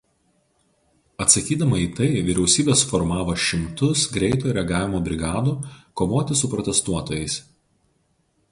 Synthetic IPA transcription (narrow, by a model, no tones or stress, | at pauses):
ɐt̪sɐkʲiːd̪ɐmɐiːt̪ɐɪʋʲiɾʲɛʊsʲiːbʲeːsfɔɾmɑːʋoːʃʲɪmt̪ʊsɡɾʲɛɪt̪uːɾʲɛɐɡɑːʋʲɪmoːbʲɾʲɪɡɑːd̪uːkoːʋoːt̪ʲɪsʊpɾɔt̪ʲɛst̪uɔt̪oːjɛɪs